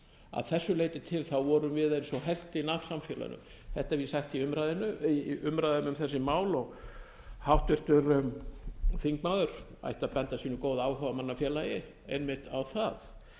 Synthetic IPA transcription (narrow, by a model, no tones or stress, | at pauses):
a̰ðθɛsːʏleːjt̪ɪt̪ʰɪlθawvɔɾʏmvɪðensɔɦɛl̥t̪ɪinav̥samfjɛla̰nʏ̰m | θɛht̪avjɪsaxt̪iʏmɾajðɪnʏiʔʏmɾajðʏmʏmθɛsːɪmaːwlɔɣ | hawht̪vɪr̥t̪ʏɾ | θiŋkmaðʏɾ̥ | a̰jht̪aðpɛnt̪asiːnʏkoːwðaaːwhɔvamanːafjɛːlajɪ | ḛjnmɪht̪awθað